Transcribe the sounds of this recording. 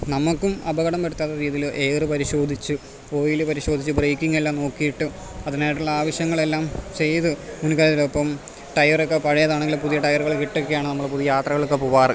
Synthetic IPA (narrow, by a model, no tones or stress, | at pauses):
nɐmukːumɐbɐɣɐɽɐmpeɽut̪ːaːðɐɾiːðilʔe̞ːrɨpɐɾiɕo̞ːd̪ʱit͡ɕːɨ | o̞ːjilɨpɐɾiɕo̞ːd̪ʱit͡ɕːɨbrejkʲːiŋːelːaːmno̞ːkːijiʈːɨ | ɐðinaːjɐʈːuɭːɐaːʋɐɕjɐŋːɐɭe̞lːaːmt͡ɕe̞jt̪ɨmunukaːɾjɐt̪ːilopːɐm | ʈɐjɐrokːepɐɻɐjɐðaːɳeŋɡilumpuðijɐʈɐjɐrɣɐɭkiʈːokːejaːɳɨnɐmːɐɭpuðijaːt̪rɐɣɐɭokːepuʋaːrɨ